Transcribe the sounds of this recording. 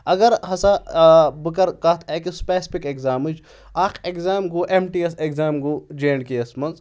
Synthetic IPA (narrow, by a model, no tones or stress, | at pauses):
ɐɡɐɾhɐsabɨkɐɾkɐt̪ʰeːkispeːsi̥pikekzaːmɨd͡ʒ | aːkʰekzaːmɡuːʔemʈiesekzaːmɡuːd͡ʒeːɳɖkiɐsmɐnz